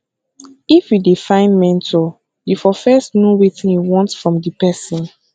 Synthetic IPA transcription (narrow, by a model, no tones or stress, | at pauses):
ifjidifãɪ̃nmɛ̃ntʰɔ | jifɔfɛstnuɹitĩniwɔ̃ntsfɹɔ̃mdipɛsĩn